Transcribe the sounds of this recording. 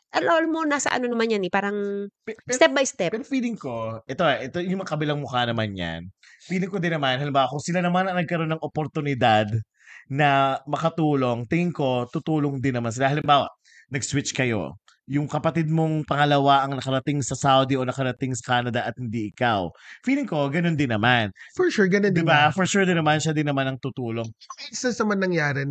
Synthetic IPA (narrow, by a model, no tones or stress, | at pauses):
ʔɐlʔolmonasɐ̰ʔɐ̰nonɐmanɲjɐnɛpaːɾɐŋ | st̪ɛp̚bɐjst̪ɛpɛɾofiːlɪŋko̞ʔɛt̪oʔɛʔɛt̪ojʊŋmɐŋakɐbɪlaŋmʊkanɐmanɲa̰n | fiːlɪŋkod̪ɪnːɐmanɦɐlɪmbaːwɐkʊŋsɪlanɐmanɐŋnɐɡ̚kɐɾo̞nːɐŋʔopoɾt̪ʊnɪd̪ad̪ | nɐmɐkɐt̪uːlo̞ŋt̪ɪŋɪŋko̞t̪ut̪uːlo̞ŋd̪ɪnːɐmans̬ɪlahɐlɪmbaːwɐ̰ʔ | nɐɡswɪt͡ʃkɐjo̞̰ | jʊŋkɐpɐt̪ɪd̪̚moŋpɐŋɐlɐwaʔɐŋnɐkɐɾɐt̪ɪŋsɐsawd̪iʔo̞nɐkɐɾɐt̪ɪŋsɐ̥kaːnɐd̪ɐʔɐt̪̚hɪnd̪iʔɪkawfiːlɪŋko̞ɡɐno̞nd̪ɪnːɐmanfɔɹʃuɹɡɐnond̪ɪbafɔɹʃuɹd̪ɪnɐmanʃad̪ɪnːɐmanɐŋt̪ut̪uːlo̞ŋɐɪsɐsɐmɐnnɐŋjaːɾɪ